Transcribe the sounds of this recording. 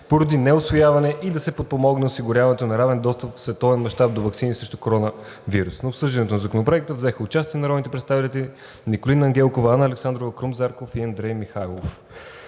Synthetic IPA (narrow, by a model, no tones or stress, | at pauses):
poɾɐd̪inɛʊsvojavɐnɛʔid̪ɐsɛpot̪̚pomɔɡnɛʊsiɡʊɾʲjavɐnɛt̪onɐɾavɛnd̪ɔst̪əpfsvɛt̪ɔvɛnmɐʃt̪ap̚d̪ovɐksinisɾɛʃt̪ʊkoɾɔnə | viɾusnoːpsɤʒd̪ɐnɛt̪onɐzɐkonopɾoɛk̚t̪əvzɛxəʊt͡ʃast̪iɛnɐɾɔd̪nit̪ɛpɾɛt̪st̪avit̪ət̪ɛli | nikolinɐŋɡɛlˠkovanəɐːlɛksand̪ɾovəkɾumzaɾkofiɐnd̪ɾɛjmixalˠof